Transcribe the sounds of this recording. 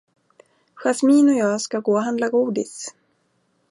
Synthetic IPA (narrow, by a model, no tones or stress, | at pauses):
ɧasmiːnɔjɑːskaɡoːɦand̪laɡuːd̪ɪ̰s